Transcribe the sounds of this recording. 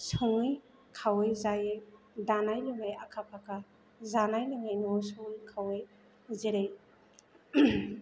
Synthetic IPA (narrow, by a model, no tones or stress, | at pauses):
sɔŋɯj | kʰawɯjzajej | danajlɯŋaja̰kʰakʰaka | zanajlɯŋajnɔsuŋɯjkʰawej | zeɾej